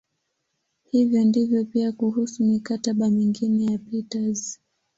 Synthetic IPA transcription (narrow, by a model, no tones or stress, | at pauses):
hivjɔndivjɔpiakuhusumikataɓamiŋɡinɛjapitaz